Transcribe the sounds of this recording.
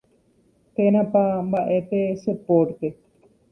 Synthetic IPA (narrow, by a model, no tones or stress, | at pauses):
t̪enãpabaʔet̪esəpoːɾʈt̪e